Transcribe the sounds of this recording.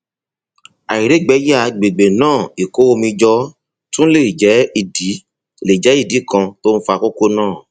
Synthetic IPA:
a˨i˨ɾe˨˦˨ɡ͡bɛ˨˦ja˦˨ɡ͡be˨ɡ͡be˨nãː˦˨i˨ko˨˦o˧mĩ˧d͡ʒɔ˧˦ | tũ˦le˦˨d͡ʒɛ˨˦i˦˨di˨˦ | le˨d͡ʒɛ˨˦i˦˨di˨˦kã˧to˦n̩˦fa˧ko˦ko˦nãː˦˨

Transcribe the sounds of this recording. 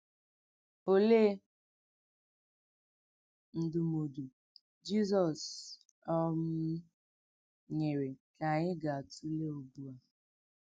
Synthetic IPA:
o˦le˦ | n̩˨dʊ˨mo˨du˨ | d͡ʒi˦sɔ˨s | ɔ˦m̩˦ | ɲe˨ɾe˨ka˨ɲɪ˦ɡa˨a˨tu˦le˦o˨bu˦a˨

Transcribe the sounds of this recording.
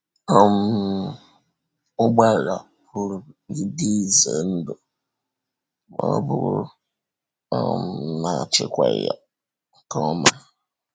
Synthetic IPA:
ɔ˨m̩˦˨˦ | ʊ˦ɡ͡ba˦˨ɾa˨ | pu˦ɾu˨˦ɡi˦di˦˨ze˨n̩˦dʊ˨ | mɔ˦bʊ˦ɾ | ɔ˨m̩˨na˨t͡ʃɪ˦kʷa˨ja˦ | ŋ̩˨kɔ˦ma˦

